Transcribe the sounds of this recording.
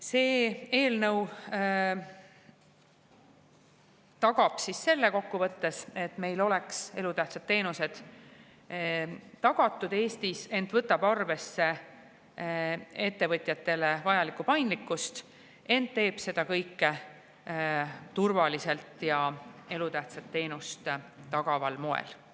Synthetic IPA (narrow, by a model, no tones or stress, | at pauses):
se̞ːeːlnɤw | t̪ɑɡ̥ɑb̥sisːe̞lːe̞ko̞kːuvɤt̪ːe̞se̞t̪me̞jlo̞le̞kse̞lut̪æht̪sɑd̪ːe̞ːnuse̞d̪̥ | t̪ɑɡ̥ɑt̪ːˑud̪̥e̞ːst̪ise̞nt̪vɤt̪ːˑɑb̥ɑrve̞sːe̞ | e̞t̪ːe̞vɤt̪ʲˑjɑt̪ːˑe̞le̞vɑjɑlikːupɑjnd̪likːˑust̪ | e̞nd̪ːe̞ːb̥se̞d̪̥ɑkɤjkːe | t̪urvɑlise̞lt̪jɑe̞lut̪æht̪sɑt̪ːe̞ːnust̪t̪ɑɡ̥ɑvɑlmoḛl